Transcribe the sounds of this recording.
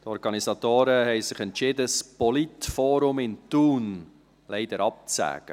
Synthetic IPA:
t̪ɔɾɡ̥ɑnisɑt̪oːɾəhɛɪsɪχɛntt͡ʃɪːdəspɔlitfoːɾʊmɪntuːn | lɛɪd̪əɾɑp̚t͡sæ̰ːɡ̥ə

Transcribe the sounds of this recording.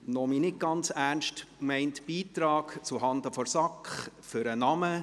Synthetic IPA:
nɔminɪt̚ɡ̥ɑnt͡særnʃtmɛɪntb̥iːt̪ɾɑːkt͡suɦɑnd̪əfɔɾsɑkχfʏɾənɑmə

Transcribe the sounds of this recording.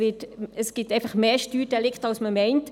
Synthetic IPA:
ɪtəsɡ̥ɪtɛɪfɐχmeːʃtyːɾd̥ɛlɪktɑlsməmɛɪnt

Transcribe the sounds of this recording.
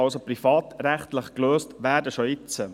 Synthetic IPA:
ɑlsoprifɑːt̪ɾæχt̪ləχkløːstʋæːɾdəʃɔɪt͡sə

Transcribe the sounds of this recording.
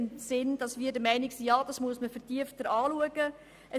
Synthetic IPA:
nsɪnd̥ɑsʋiːdəmɛɪnɪksiːjɑːd̥ɑsmuəsməfəɾtiəftəɾɑːluəɡə | ʔə

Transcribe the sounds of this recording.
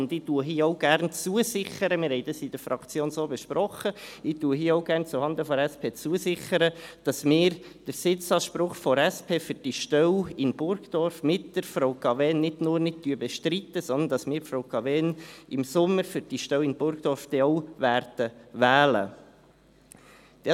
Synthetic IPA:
ʊnd̪ɪtuəɦiːɔʊɡ̥ærnt͡suəsɪχəɾəmɪːɾhɛɪd̥ɑsid̥əɾfɾɑkt͡sjoːnsoːbɛʃpɾɔχəɪtuəɦiəɔʊɡæːɾnt͡suhɑnd̪əfɔɾɛspʰeːt͡suəsɪχəɾəd̥ɑsmɪːɾ | d̥əɾsɪt͡sɑːʃpɾʊχfɔɾæspʰeːfʏɾd̥iʃtœwɪnb̥ʊɾɡd̥ɔɾfmɪtdəɾfɾɔwkɑvɛːnːɪdnʊːrnɪtyəbɛʃtɾit̪ːəsɔnd̪ənd̥ɑsmɪːɾfɾɔʊkɑvɛːnɪmsʊmːəɾfʏɾd̥iʃtœwɪnb̥ʊɾɡd̥ɔɾfd̥̪ɛɔwʋæɾd̥əʋæːlə̰ | d̥

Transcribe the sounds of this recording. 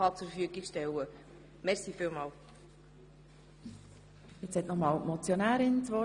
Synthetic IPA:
ɑt͡suffyəɡikʃtɛwə | mɛɾsiːfiːlmɑːl | jɛt͡shɛt̪nɔmɑːlmɔt͡sjonæːɾɪnt͡sʋɔ

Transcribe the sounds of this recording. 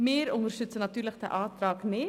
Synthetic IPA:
meːɾʊŋəɾʃʏt̪sənɑt̪ʉːɾləkt̪ə̰ʔɑːt̪ɾɑːkneː

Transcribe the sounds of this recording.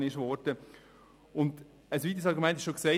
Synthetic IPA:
nɪʃʋɔɾd̥ə | ʊnd | əsʋiːt̪is̬ɑlɾɡumɛ̃ntɪʃoksɛɪ

